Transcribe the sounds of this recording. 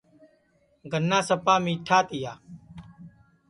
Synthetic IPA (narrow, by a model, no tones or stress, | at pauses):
ɡʱənːãːsəpaːmiːʈʰaːt̪ɪjaː